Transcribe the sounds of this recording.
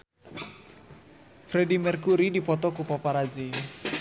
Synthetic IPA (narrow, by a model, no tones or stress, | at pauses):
fredimɛrkuɾidipɔt̪ɔkupɔpaɾad͡ʒi